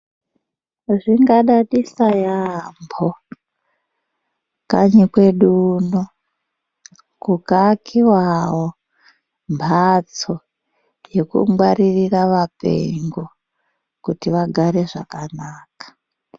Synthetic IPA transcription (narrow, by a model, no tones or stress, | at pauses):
ʐiŋɡaɗaɗisajambʱo | ka̰ɲikwe̞ɗuːno | kukakʰiwawo | mbʱat͡so | je̞kṵŋɡwaririraʋapḛŋɡo | kutiʋaɡʱaɾe̞ʐakanaːkḁ